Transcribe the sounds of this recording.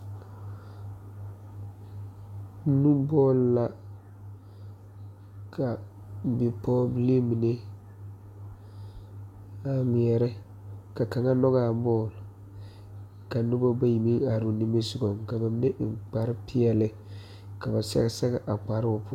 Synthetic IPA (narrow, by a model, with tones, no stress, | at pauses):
nu˦bɔː˦lla˨ | kʰa˨ | bɪ˨pʰɔː˦bi˨˦le˦mi˨ne˦ | a˨ŋʷi˨ɛ˨ɾɪ˦ | ka˨ka˨ŋa˦nɔ˦ɣa˨mɔː˦˨l | ka˨nʊ˦bo˦ba˦ji˨mi˦ŋa˨ɾu˨ni˦me˦su˨ɡo˨mka˨ba˨mi˦ne˦ʔŋk͡pa˨ɾɪ˦pʰɪ˦ɛ˨lɪ˨ | ka˨ba˨sɛ̰˦ɣɛ˦sɛ˦ɡɛ˦ʔa˨k͡pa˨ɾɪ˦ʊ˨pʰʊ˦